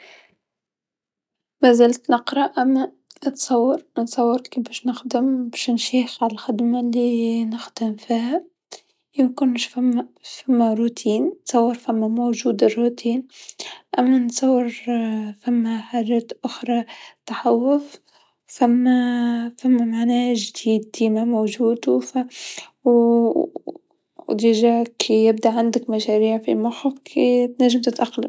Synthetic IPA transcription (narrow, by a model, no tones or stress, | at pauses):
mæzæːlt̪nɪqɾˤɑʔæmːæ | t̪sˤɑwːɑɾnt̪sˤɑwːɑɾkibæːʃnɪxd̪ɪmbæːʃnʃiːxʕalalxɪd̪malːinɪxd̪̥ɪmfiːhæ | ʔɪmkʊnːʃfamːfamːaɾut̪ʰiːnt̪sˤɑwːɪɾfamːamowʒuːd̪ɪrːut̪iːnʔamːansˤɑwːɪɾfamːaħaʒat̪ʔʊxɾˤɑt̪ɑħawːʊf | famːafamːamaʕnaːʒd̪iːd̪̚ːiːmamowʒuːd̪faw | d̪ɪʒakʰijɪbd̪aʕand̪akmaʃaɾiːʕfimʊxʊfkʰit̪naʒːamt̪ɪt̪ʔaqːala